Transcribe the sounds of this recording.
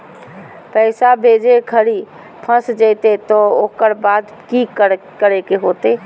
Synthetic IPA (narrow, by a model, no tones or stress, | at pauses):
pəɪsabʱed͡ʒekʰəɾi | pʰə̃sd͡ʒəɪt̪et̪ɔokəɾbad̪ | kikə | kəɾekeɦot̪e